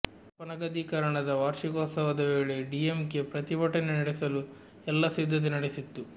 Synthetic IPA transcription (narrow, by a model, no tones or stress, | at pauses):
pɐnɐɡɐd̪ʱikɐɾɐɳɐd̪ɐʋaːɾʂikɔːsɐʋɐd̪ɐʋe̞ːɭeɖijemke̞pɾɐt̪ibɐʈɐnenɐɽesɐlu | ɛlːɐsid̪ʱːɐt̪̬enɐɽesit̪ːu